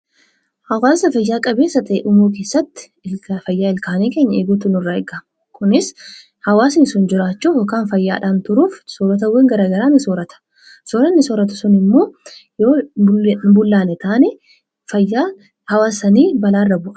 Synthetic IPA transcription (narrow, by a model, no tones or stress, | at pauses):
hɐwaːsɐfɐjːaːkʼɐbeːsːɐt̪ɐʔeːʔʊmoːke̞ːsːɐt̪ːɪ̥ | fɐjːaːɪlkaːneːkeːɲːɐeːɡuːt̪ʊnɪrːaːɛɡaːm | kʊnɪs | hɐwaːsnɪsʊnd͡ʒɪɾaːt͡ʃːuːhɔkaːnfɐjːaːᶑaːnt̪ʊɾuːfsoːɾɐt̪̬ɐwɛŋɡɐɾaːɡɐɾaːnɪsoːɾɐt̪ɐ̥ | sɔːɾɐnːɪsɔɾɐt̪ʊ̥sʊnɪmːo̞ːjoː | bʊlːaːnɛt̪aːnɛ | fɐjːa | hɐwaːsːɐniːbɐlaːrːɐbʊʔɐ̥